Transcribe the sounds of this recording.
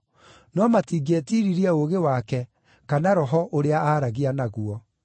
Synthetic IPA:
nɔmatiɡɛtiɾiɾiɛoɣewakɛ | kanaɾɔɦɔʔoɾeaaɾaɣianaɣuɔ

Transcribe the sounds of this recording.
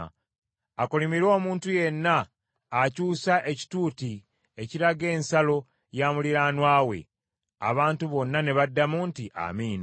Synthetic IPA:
akolimiɾo̞ːmuːntuje̞nːaː | cuːsaʔe̞ci̥tuːti | eciɾaɡe̞ːnsalo̞ | jaːmuliɾanwaːwe̞̰ | a̰βaːntuβo̞nːane̞βadːamuːntiʔa̰miːna

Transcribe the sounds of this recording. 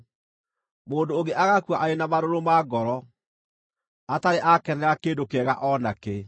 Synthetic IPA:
moːndoːɣɡeʔaɣakwaʔaenamaɾoɾomaɡɔɾɔ | ataɾeʔakɛnɛɾakeːndokɛɣaʔɔnake

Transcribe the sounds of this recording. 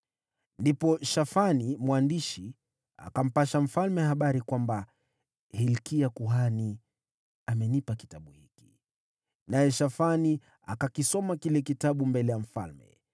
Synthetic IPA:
ndipɔʃafanimwandiʃi | a̰kam̩paʃam̩falmɛhaɓaɾikwamba | hilkiakuɦani | amɛnipaki̥taɓuhiki̥ | najɛʃafani | a̰kakisɔmakilɛkitaɓumbɛlɛjam̩fa̰lmɛ̰

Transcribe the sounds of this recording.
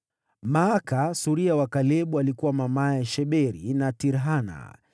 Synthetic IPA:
maːkasuɾiawakalɛɓualikuwamamaɛʃɛɓɛɾinatiɾɦana̰

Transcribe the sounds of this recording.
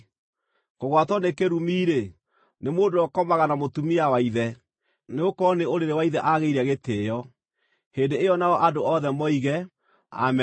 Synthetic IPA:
koɣwatɔnekeɾumiːɾe | nemoːdoɔkɔmaɣanamotumiawaiðɛ | neokɔneoɾeɾewaiðɛʔaɣeiɾɛɣetejɔ | heːndeejɔnaɔʔadoɔðɛmɔiɣɛ | a̰mɛ

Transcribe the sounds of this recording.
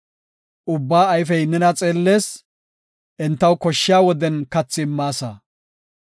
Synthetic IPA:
ʔʊbːaːɐjf̬ɛjnɛnɐt͡sʼe̞ːlːe̞ːs | ʔɛnt̪ːɐwkɔʃːɪjaːwɔd̪ɛnkɐt͡sːɪmːaːsa̰

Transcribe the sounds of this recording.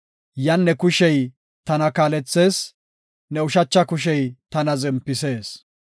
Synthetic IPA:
jɐnːɛkʊʃɛj | t̪ɐnɐkaːlɛt͡sːe̞ːs | nɛʊʃɐt͡ʃːɐkʊʃ̬ɛjt̪ɐnɐzɪmpːɪse̞ːs

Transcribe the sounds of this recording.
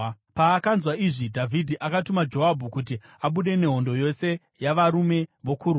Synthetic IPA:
paːkanzwaiʐidʱavʱidʱiʔakatumad͡ʒo̞ɦabʱukut̬i | aɓuɗe̞ne̞ɦo̞ndo̞jo̞se̞ | jaʋaɾume̞ʋo̞kʰuɾ

